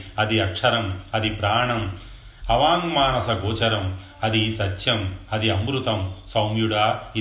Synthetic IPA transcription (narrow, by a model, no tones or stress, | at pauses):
ɐd̪iɐkʂɐɾɐmɐd̪ipɾaːɳɐm | ɐʋaːŋmaːnɐsɐɡoːt͡ʃɐɾɐm | ɐd̪isɐt͡ʃːjɐmɐd̪iɐmbɾut̪ɐmsɐwmjuɽaːi